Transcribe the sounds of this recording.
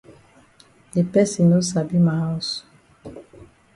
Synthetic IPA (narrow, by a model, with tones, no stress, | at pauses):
e˨pɛ˦si˨no˦sa˨bi˦ma˨ɔ˦su̥˨